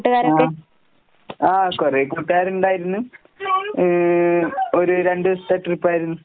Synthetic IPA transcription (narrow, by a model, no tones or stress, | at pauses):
ʈːɣaːɾa | aːkorekoʈːuɣaːɾuɳɖaːjiɾunːu | oɾuɾeɳɖɨst̪ɐʈːɨrupːaːjiɾunːu